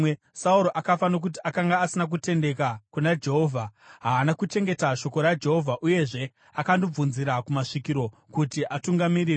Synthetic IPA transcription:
e | sauɾoʔakafano̞k̬utiʔakaŋɡaːsinak̬ute̞nde̞kakunad͡ʒeɦo̞ːvʱaɦaːnakut͡ʃe̞ŋɡe̞taʃo̞ko̞ɾad͡ʒe̞ɦo̞vʱaʔuje̞ʐe̞ | akandob͡vunziɾakumaʂikiɾo̞ | kutiʔatuŋɡamiɾiːre

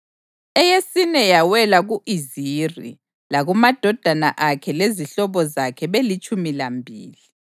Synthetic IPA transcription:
ɛjesinɛjawɛlaɣuʔizirḭ | laɣumad̥ʱɔd̥ʱana̰ʔakʰɛleziɬɔβɔzakʰɛβelit͡ʃʼumilambʱḭːli

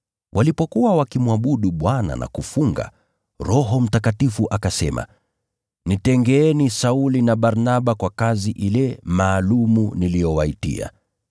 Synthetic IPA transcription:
wʔalipɔkuwawakimwaɓuɗuɓwana̰nʔa̰kufuŋɡa̰ | ɾɔɦɔm̩takatifuʔakasɛma̰ | nitɛŋɡɛɛnisaulinaɓaɾnaɓakwakaziʔilɛmaːlumunilijɔwaitḭa̰

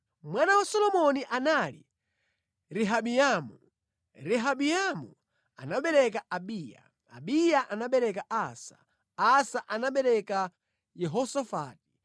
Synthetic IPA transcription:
mwanawasɔlɔmɔniʔanalḭ | ɾɛɦaɓijamu | ɾɛɦaɓijamu | a̰naɓɛɾɛkaʔaɓiːja̰ | a̰ɓijaʔanaɓɛɾɛkaʔasḁ̰ | asaʔanaɓɛɾɛka | jɛɦɔsafa̰ːt̚i̥

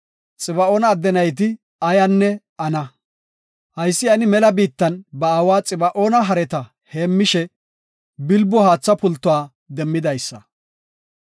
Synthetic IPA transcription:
t͡sʼɪbɐoːnɐːd̪ːɛnɐjt̪̬ɪ | ɐjɐnːɛ | ɐnɐ | hɐjsːɪɐnɪmɛlɐbiːt̪ːɐnbɐaːwaːt͡sʼɪbɐʔo̞ːnɐɦɐɾɛt̪ɐ | heːmːɪʃɛ | bɪlbːɔhaːt͡sːɐpʊlt̪ːʊwaː | d̪ɛmːɪd̪ɐjsːɐ̰

